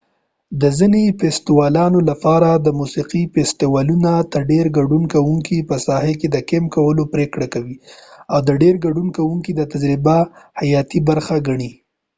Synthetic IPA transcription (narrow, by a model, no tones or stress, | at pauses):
d̪əzinefest̪ɪwɑlɑnolapɑɾad̪əmusiqifest̪ɪwɑlunat̪əɾɖeɾɡaɖunkawuŋkipəsɑheked̪əkemkawəlopɾekɽakawiawd̪əɖeɾɡaɖunkawuŋkid̪ət̪ad͡ʒɾɪbahajɑt̪ibaɾxaɡaɳi